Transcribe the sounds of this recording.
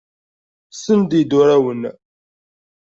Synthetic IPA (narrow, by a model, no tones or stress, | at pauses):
sənd̪id̪ʊɾæwən